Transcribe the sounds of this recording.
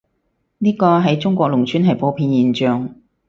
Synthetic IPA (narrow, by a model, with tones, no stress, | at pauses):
niː˥kɔː˧ɦɐ˨jt͡sʊ˥ŋkʷɔː˧k̚lʊ˨˩ŋt͡ʃʰyː˥nɦɐ˨jpo˨˧pʰiː˧njiː˨˩nt͡ʃœː˨ŋ